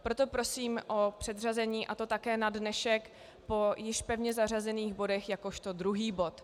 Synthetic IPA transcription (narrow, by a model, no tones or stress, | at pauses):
pɾo̞t̪o̞pɾo̞siːmʔo̞pr̥ɛd̪r̝azɛɲiːʔat̪o̞t̪akɛːnadnɛʃɛk | po̞jɪʃpɛvɲɛzar̝azɛniːɣbo̞dɛxjako̞ʃt̪o̞dɾuɦiːbo̞t̪